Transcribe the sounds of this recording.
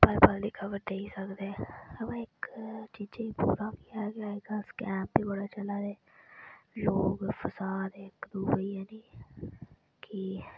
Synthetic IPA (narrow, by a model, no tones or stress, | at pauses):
pəlpəld̪iːkʰəʋəɾɖ̪eːisəkd̪eɛ̃əmãːɪkt͡ʃiːd͡ʒeːpṵːɾãːkiaɛːɡɪaːɦeɡaːskɛːmbiːbəɽaːt͡ʃəlaːd̪eː | loːɡfʰəsaːd̪ɪkd̪uːbəiːɛːniː | ki